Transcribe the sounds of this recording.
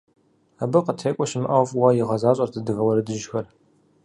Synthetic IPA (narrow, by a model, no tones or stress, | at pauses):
abɨqətʰeːkʷʼɔʃɪmɨʔɐwvʼwajɪʁɐzaːɕʼɐrtʰɨdɨɣɐwɐɾɨdɨʒxɐr